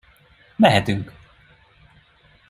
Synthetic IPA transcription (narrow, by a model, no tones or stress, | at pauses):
mɛɦɛt̪yŋk